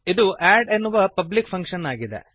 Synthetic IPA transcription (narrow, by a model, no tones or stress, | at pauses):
id̪uʔaːɖenːuʋɐpɐblik̚pʰɐŋkʂɐnaːɡid̪ḛ